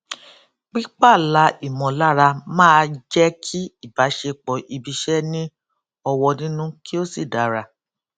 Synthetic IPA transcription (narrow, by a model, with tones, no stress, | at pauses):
k͡pi˦k͡pa˦˨la˨˦i˦˨mɔ̃˨la˦ɾa˧mãː˦˧d͡ʒɛ˦kʰi˦i˦˨ba˨˦ʃe˧k͡pɔ˨ʔi˧bi˧ʃɛ˦nĩ˦ | ɔ˧wɔ˧nĩ˦nũ˦ki˦o˦si˦˨da˨˦ɾa˧